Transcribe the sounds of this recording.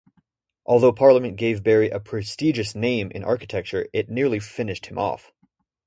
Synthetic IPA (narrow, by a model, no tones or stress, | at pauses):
ʔɔlˠðoʊpʰɑɹlˠəmɨ̃nɡ̥eɪvbɛɹiʔɨpʰɹ̥ɨstid͡ʒɨsnẽɪ̃mʔɨ̰̃nɑ̰ɹkɨtʰɛk̚t͡ʃə˞ɪtⁿnɪɹlˠifɪ̃nɨʃt̚hɨ̃mɔ̰f